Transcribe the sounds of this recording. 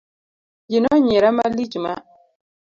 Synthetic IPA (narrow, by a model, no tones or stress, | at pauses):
jinɔɲeɾamalid͡ʒma̰